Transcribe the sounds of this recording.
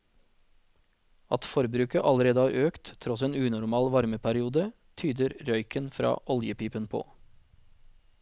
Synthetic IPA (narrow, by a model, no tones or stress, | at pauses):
ɑt̪fɔɾbɾʉːkəʔɑləɾeːd̪əɑːɾʔøːkt̪t̪ʰɾɔseːnʉːnʊɾmɑːlʋɑɾməpʰæɾɪuːd̪ə | t̪ʰyːd̪əɾɾœʏkənfɾɑ̰ːʔɔljəpiːpənpʰo̰ː